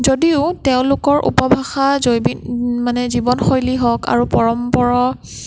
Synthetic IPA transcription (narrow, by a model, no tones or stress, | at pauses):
zodiʊtɛʊ̃lʊkɔɹʔṵpɔbʱaxazojbimanɛzibɔnxojliɦɔka̰ɹupɔɹɔmpɔɹɔ